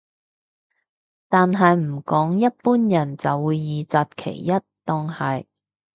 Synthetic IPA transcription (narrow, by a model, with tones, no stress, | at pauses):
t̪aː˨nɦɐ˨jm̩˨˩kɔː˨˥ŋjɐ˥t̚puː˥njɐ˨˩nt͡sɐ˨wːuː˨˧jːiː˨t͡saː˧t̚kʰḛ˨˩jːɐ˥t̚t̪ɔː˧ŋhɐ˨j